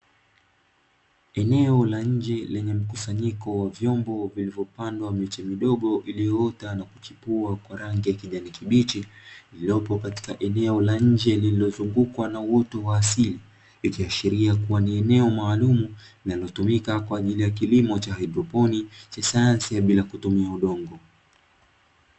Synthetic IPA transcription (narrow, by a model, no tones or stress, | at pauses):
ɛnɛɔlaɲ̩d͡ʒɛlɛɲɛm̩kusaɲikɔwavjɔmbɔvilivjɔpandwamɛt͡ʃɛmiɗɔɠɔʔilijɔɔtanaku̥t͡ʃipuakwaɾaŋɡijakiʄanikiɓit͡ʃililɔpɔkati̥kaʔɛnɛɔlaɲ̩d͡ʒɛlililɔzuŋɡukwanawɔtɔwaːsili | ikiaʃiɾiakuwaniɛnɛɔmaːlumu | inalɔtumikakwaːʄilijak̬ilimɔt͡ʃahaidɾɔpɔnit͡ʃasajansiaɓilakutumiauɗɔŋɡɔ